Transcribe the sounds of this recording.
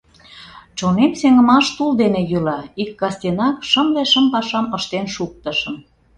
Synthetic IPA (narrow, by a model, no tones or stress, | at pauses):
t͡ɕonenseŋə̆mɑʃt̪uld̪enejylɑikːɑst̪ʲenɑkʃə̆mleʃəmpɑʃɑməʃt̪enʃuk̚t̪ə̆ʃə̆m